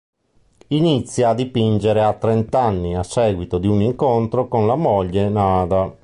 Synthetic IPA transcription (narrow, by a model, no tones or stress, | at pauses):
init̪sːjaːd̪ːipind͡ʒeɾeat̪ːɾent̪anːiasːɛːɡwit̪od̪iuniŋkont̪ɾokonlamɔʎːenaːd̪a